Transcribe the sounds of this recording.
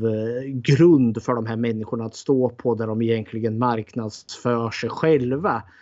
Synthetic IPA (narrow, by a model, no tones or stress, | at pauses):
vɡɾɵnd̪fœɖɔmɦæːɾmɛnːɪɧʊɳaːt̪st̪oːpʰɔd̪æɖɔmɪjɛnkʰlɪɡənmaɾknad̪sfœːʂɛjɧɛlva